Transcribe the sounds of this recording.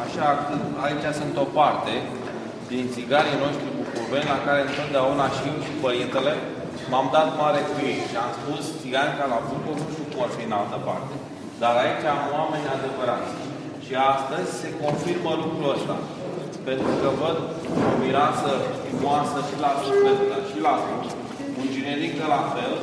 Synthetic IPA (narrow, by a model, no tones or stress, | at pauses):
aʃakɨait͡ʃʲasunt̪o̞part̪e̞ | d̪int̪siɡaɾijno̞ʃt̪ɾikukuvenʲlakaɾe̞ɨnt̪o̞t̪̚d̪eaunaʃiewʃipəɾint̪e̞le̞ | mamd̪at̪maɾe̞kujek̪ʃiamspust̪siɡanʲkalabukonuʃupoat̪fiɨnalt̪əpart̪e̞ | d̪aɾait͡ʃamwame̞nʲad̪e̞vəɾat̪ʲ | ʃiast̪əzʲse̞ko̞nfirməlukɾuəst̪a̰ | pe̞nt̪ɾukəvəd̪ | miɾasəʃt̪imuasəʃilazupek̪əʃilazu | und͡ʒineɾik̚d̪elafe̞l